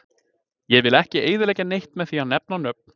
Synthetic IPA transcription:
jɛvɪlɛhcɪeːjðɪɾlɛːjcanejht̪mɛðθianɛp̚nanœp̚n̥

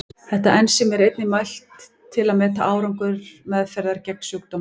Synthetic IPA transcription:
θɛht̪aʔɛnsɪmɛɾejt̪nɪmajl̥t̪ʰː | ɪlaðmɛːt̪aʔaːwɾaŋkʏɾ̥mɛðfɛɾðaɾcɛk̚n̥sjowk̚t̪ɔm

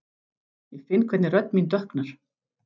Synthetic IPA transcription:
jɛɣfɪnkʰvɛt̪nɪɾœt̪nmint̪œhknaɾ̥

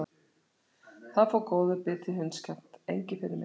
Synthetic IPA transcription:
θaðfɔkoːwðʏpɪːt̪ʰɪɦʏnscʰɛm̥t̪ḛjɲcɪfɪɾɪmɪ

